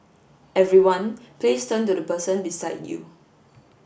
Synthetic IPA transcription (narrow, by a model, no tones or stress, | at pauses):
ʔɛvɹiwãnplestʰə̃ntudəpəsə̃nbisaɪdjṵ